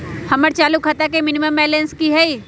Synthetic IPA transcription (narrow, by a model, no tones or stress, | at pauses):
hɐməɾt͡ʃaːlukɦɐt̪akemɪniməmɛːlẽnskiɦɛi